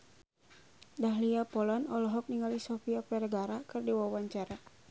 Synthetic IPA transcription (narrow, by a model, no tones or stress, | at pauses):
daɦliapɔlanɔlɔɦɔk̚niŋalisɔfiapɛrɡaɾakɨrdiwawaɲt͡ʃaɾa